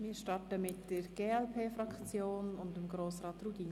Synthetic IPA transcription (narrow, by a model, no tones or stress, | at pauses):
mɪːɾʃtɑɾtəmɪtd̥əɾɡ̥eːɛlpʰeːfɾɑkt͡sjoːnʊndəmɡɾoːsɾɑːtruɡi